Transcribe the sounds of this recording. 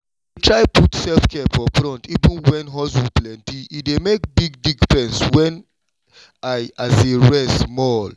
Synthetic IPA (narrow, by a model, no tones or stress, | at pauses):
tʰɹaɪputsɛlfkʰɛfɔpɹɔ̃ntivĩnwɛ̃nɦɔs̬iplɛ̃ntiːdemek̚biɡ̚diɡpɛ̃nswɛ̃n | aɪazeɹɛsmɔl